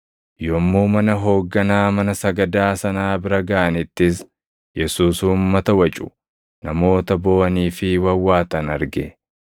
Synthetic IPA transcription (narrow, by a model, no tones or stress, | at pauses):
joːmːoːmɐnɐɦo̞ːɡːɐnaːmɐnɐsɐɡɐd̪aːsɐnaːbɪɾɐɡɐʔɐnɪt̪ːɪs̬ | jɛsuːsuːmːɐt̪ɐwɐt͡ʃʼʊ | nɐmo̞ːt̪ɐbo̞ːʔɐniːfɪwɐwːaːt̪ɐnɐɾɡɛ